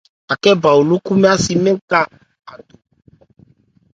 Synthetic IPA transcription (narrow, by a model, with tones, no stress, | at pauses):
a˨kɛ˦ba˨wo˨lo˦ku˦mɛ̃˦a˦si˨mɛ̃˦ka˦ | a˨do˨